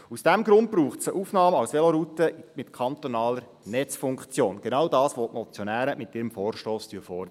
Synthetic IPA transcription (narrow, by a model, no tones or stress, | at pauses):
usd̥æmɡɾʊnd̚bɾuːχtsəʔufnɑːməɑwsʋeloɾutəmɪtkʰɑnt̪onɑːləɾ | nɛt͡sfuŋkt͡sjoːnɡ̥enɑwdɑːsʋotmɔt͡sjonæːɾəmɪtɪɾəmfoːɾʃtoːstyəfɔrdəə